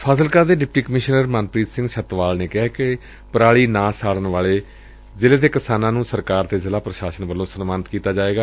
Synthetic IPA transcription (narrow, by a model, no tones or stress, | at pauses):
pʰaːsəlkaːd̪eːɖɪp̚ʈiːkəmɪʃnəɾmaːnpɾiːt̪sɪ̃ŋɡʃət̪ʋaːlneːkɪɦɛːkɪ | pəɾaːɭiːnãːsaːɽənʋaːɭeː | zɪleːt̪eːkɪsaːnãːnũːsəɾkaːɾt̪eːzɪlaːpɾəʃaːsənʋəlːõːsənmaːnət̪kiːt̪aːd͡ʒaːeːɡaː